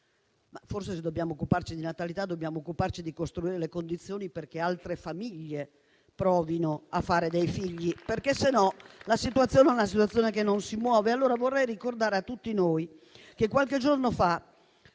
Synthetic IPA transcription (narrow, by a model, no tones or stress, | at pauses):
mafors̬esed̪ːobjaːmoːkːupart͡ʃid̪inat̪alit̪ad̪ːobjaːmoːkːupart͡ʃid̪ikost̪ɾuiːɾelekond̪it̪sːjoːniperk̟ealt̪ɾefamiʎːe | pɾɔːvinoafːaːɾed̪ejfiʎːiperkesenɔlasit̪uat̪sːjoːnɛunas̬it̪wat̪sjoːnekenːonsimwɔːvealːoːɾavorːɛjrikord̪aːɾeat̪ːut̪ːinoːj | k̟ekwalked͡ʒornofa